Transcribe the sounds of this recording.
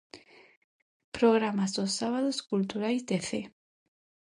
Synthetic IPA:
pɾoɣ̞ɾamazðosaβ̞að̞oskult̪uɾajzd̪eθe

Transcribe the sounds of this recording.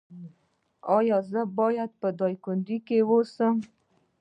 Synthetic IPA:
ɑjɑzəbɑjad̪̚pəd̪ɑjkʊnd̪ikewosəm

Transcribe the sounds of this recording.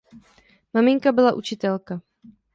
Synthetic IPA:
mamɪŋkabɪlaʔut͡ʃɪt̪ɛlka

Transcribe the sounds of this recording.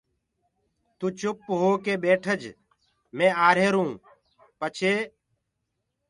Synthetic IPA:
t̪ũːt͡ʃʊpːɦoːkeːɓeːʈʰəd͡ʒ | mẽːaːɾeːɾũː | pət͡ʃʰeː

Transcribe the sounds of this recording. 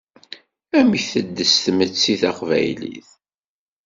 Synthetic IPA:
æmiçθəd̪ːəst̪mət͡sːiθɑqvæ̰jlḭθ

